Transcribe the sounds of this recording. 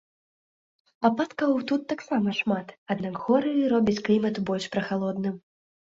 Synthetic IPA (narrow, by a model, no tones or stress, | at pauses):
apat̪kɐwt̪ut̪ːaksamɐʂmat̪ad̪nakɣɔɾɨɾɔbʲit͡sʲklʲimɐt̪ubɔlʲʂpɾɐxalˠɔd̪nɨm